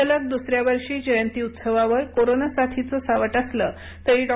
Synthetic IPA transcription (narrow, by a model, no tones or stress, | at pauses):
ələk̚d̪usɾjaʋəɾʂiːd͡ʑəjənt̪iːut̪səʋaʋəɾkoɾonasat̪ʰit͡səsaʋəʈəsləː | t̪əɦiːɖɔ